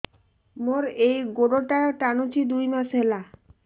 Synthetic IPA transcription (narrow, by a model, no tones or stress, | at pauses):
moɾejɡoɽoʈaɾʈanut͡ɕʰid̪ujmaʃɦela